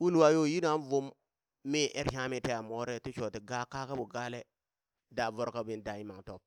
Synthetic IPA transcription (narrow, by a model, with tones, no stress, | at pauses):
wu˦lwa˨jo˦˨ji˦na˦n˦vo˦mː | e˦ʔe˦ɾha˦mi˨te˦ja˨mo˦ɾe˦tu˦ʃo˨ti˨ɡa˦ka˦ka˦bu˨ɡa˦le˦ | da˨vo˦ɾka˦bi˨nda˨i˦ma˨ŋto˨b̚